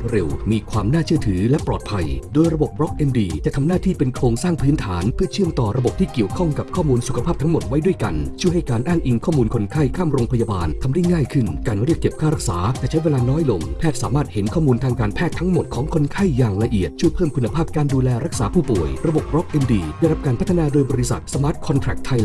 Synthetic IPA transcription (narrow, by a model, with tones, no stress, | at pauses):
ɾe˧wmiː˧kʰwaː˧mnaː˥˩t͡ɕʰɯ˥˩ət̪ʰɯː˩˦lɛ˦˥plɔ̰ː˨˩t̪̚pʰa˧jdoː˧jɾa˧bo˨˩p̚ɾɔ˦˥k̚ʔe˧ndiː˧t͡ɕa˨˩ʔt̪ʰa˧mnaː˥˩t̪ʰiː˥˩pe˧nkʰɾoː˧ŋsaː˥˩ŋpʰɯː˦˥nt̪ʰa̰ː˩˦npʰɯ˥˩t͡ɕʰɯ˥˩əmt̪ɔː˨˩ɾa˧bo˨˩p̚t̪ʰiː˥˩ki˨˩əwkʰɔ˥˩ŋka˨˩p̚kʰɔː˥˩muː˧nsu˨˩kʰa˧pʰaː˥˩p̚t̪ʰa˦˥ŋmo˨˩t̪̚wa˦˥jdu˥˩əjka˧nt͡ɕʰu˥˩əha˥˩jkaː˧nʔaː˥˩ŋʔi˧ŋkʰɔː˥˩muː˧nkʰo˧nkʰa˥˩jkʰaː˥˩mɾoː˧ŋpʰa˧ja˧baː˧nt̪ʰa˧mda˥˩jŋaː˥˩jkʰɯ˥˩nkaː˧nɾi˥˩ək̚ːe˨˩p̚kʰaː˥˩ɾa˦˥k̚sa̰ː˩˦t͡ɕɛː˨˩t͡ɕʰa˦˥jweː˧laː˧nɔː˦˥jlo˧mpʰɛː˥˩t̪̚saː˩˦maː˥˩t̪̚he˩˦nkʰɔː˥˩muː˧nt̪ʰaː˧ŋkaː˧npʰɛː˥˩t̪ʰːa˦˥ŋmo˨˩t̪̚kʰɔː˩˦ŋkʰo˧nkʰa˥˩jːaː˨˩ŋla˧ʔi˨˩ət̪̚t͡ɕu˥˩əjpʰɤː˥˩mkʰu˧nːa˧pʰaː˥˩p̚kaː˧nduː˧lɛː˧ɾa˦˥k̚saː˩˦pʰuː˥˩pu˨˩əjɾa˧bo˨˩p̚bɾɔ˦˥k̚ʔe˧mdiː˧˩da˥˩jɾa˦˥p̚kaː˧npʰa˦t̪ʰːa˧naː˧doː˧jbɔː˧ɾi˦˥sa̰˨˩t̪̚sa˧maː˦˥t̪̚kʰɔ˧nt̪ʰɾɛ˨˩k̚t̪ʰːa˧j